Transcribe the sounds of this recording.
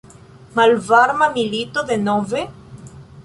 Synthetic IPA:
malvaɾmamilit̪oðenove

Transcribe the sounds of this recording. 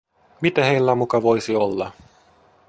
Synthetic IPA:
mit̪æhejlːæmukɑʋo̞jsiolːɑ

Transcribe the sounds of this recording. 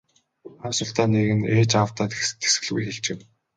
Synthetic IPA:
aːsʊ̆ɬt̪aːneːɣɘ̆neːt͡ɕawt̪aːt̪t̪ʰe̥sɡɘ̆ɮɣujxeɮt͡ɕɪ̆m

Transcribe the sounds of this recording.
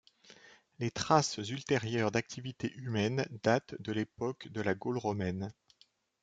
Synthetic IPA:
let̪χaszylt̪eʁjœʁd̪ak̚t̪ʰivit̪eʔymɛnd̪at̪d̪əlepɔkd̪əlaɡolʁɔmɛn

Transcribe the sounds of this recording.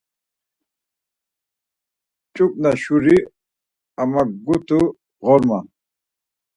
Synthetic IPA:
t͡ʃʼuk̚naɕuɾi | amaɡut̪u | ʁɔɾma

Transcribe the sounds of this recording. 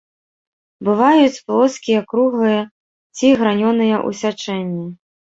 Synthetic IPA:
bɨvajut͡sʲplˠɔskʲijɐkɾuɣlˠɨjɐ | t͡sʲiɣɾanʲɔnɨjɐʔṵsʲat͡ʂɛnʲːi

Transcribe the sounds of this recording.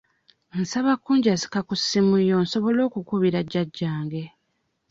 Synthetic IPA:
nsaβakːuːɲɟazi̥kakusːimujo̞nso̞βo̞lo̞ːkukuβiɾaɟːaɟːaːŋɡe̞

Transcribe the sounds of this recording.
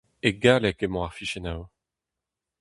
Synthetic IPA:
eɡalɛkemɔ̃aʁfiʃenaw

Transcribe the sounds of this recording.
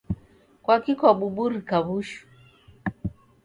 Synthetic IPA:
kwakikaɓuɓuɾikaβuʃu̥

